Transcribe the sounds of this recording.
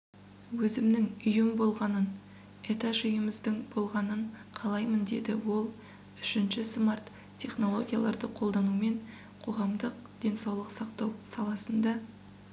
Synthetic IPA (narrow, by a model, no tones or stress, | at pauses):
wɵzɪmnɪŋʏjɪmbo̞lˠʁɑnən | e̞t̪aʒʏjəməzd̪əŋbo̞lˠʁɑnəɴqʰɑlˠɑjmənd̪e̞̰d̪ɪwo̞lˠ | ʏʃɪnʃɪsmart̪ | tʲʰːe̞χno̞lˠo̞ɡʲija̰lˠɑ̰ɾd̪əqʰo̞lˠd̪ɑnume̞ɴ | qʰo̞ʁɑmd̪əq̚d̪̥e̞nsɑwlˠəqsɑqt̪ɑwsɑlˠɑsənd̪ɑ